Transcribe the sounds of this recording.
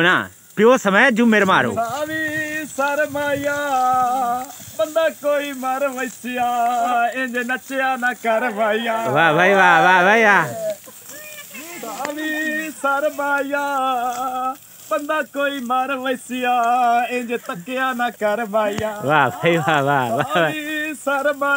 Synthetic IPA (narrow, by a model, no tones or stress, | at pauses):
na̰ː | pɪjoːsəməjaːd͡ʒũːmeːɾma̰ːɾo̰ːd̪aːʋiːsəɾmaːijaː | bənd̪aːkoːiːmaɾʋəsɪjaːẽd͡ʒeːnət͡ʃejaːnaːkəɾʋaːijaːʋaːʋaːiːʋaːʋaːʋaːiʋaː | d̪aʋisaɾmaːijaː | bənd̪aːkoːiːmaɾʋəɪsɪjaːẽd͡ʒeːt̪əkeaːnãːkəɾmaːijaːʋaːʋaiʋaːʋaːʋa | saɾmaː